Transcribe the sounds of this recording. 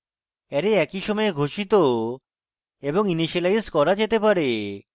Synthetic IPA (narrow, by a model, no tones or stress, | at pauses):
ɛɾeɛkiʃɔmɔeɡʱoʃit̪o | eboŋiniʃelajskɔɾad͡ʑet̪epaɾe